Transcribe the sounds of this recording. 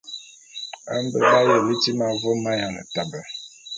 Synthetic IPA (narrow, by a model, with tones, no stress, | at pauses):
ə˦m˦bə˨a˦jə˨li˦ti˦ma˨vo˦ma˦ja˨nə̰˨ta˨bə˨